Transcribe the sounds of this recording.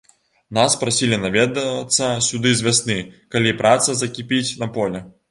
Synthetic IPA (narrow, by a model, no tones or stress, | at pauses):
naspɾasʲilʲinavʲɛd̪ɐt̪sːɐsʲud̪ɨzʲvʲasnɨkalʲipɾʔat̪sɐzɐkʲipʲit͡sʲnɐpɔlʲɛ